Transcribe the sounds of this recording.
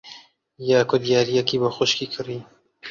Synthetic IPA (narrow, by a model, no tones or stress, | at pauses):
jaːkʊd̪ijaːɾijɛkiːbəxʊʃkiːkʰɨɾiː